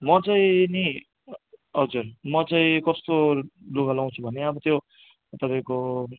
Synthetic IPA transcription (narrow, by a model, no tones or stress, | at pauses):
mʌt͡saĩni | ɦʌd͡zurmʌt͡saĩkʌst̪oloɡalaw̃t͡sʰubʱʌneʌbʌt̪jo | t̪ʌpãĩko